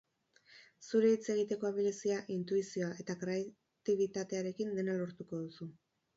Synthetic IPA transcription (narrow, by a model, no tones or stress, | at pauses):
suɾe̞it͡se̞ɣ̞it̪e̞ko̞aβilesiaʔint̪uisio̞aʔe̞t̪akɾe̞a | t̪iβ̞it̪at̪e̞aɾe̞kind̪e̞nalo̞ɾt̪uko̞ðusu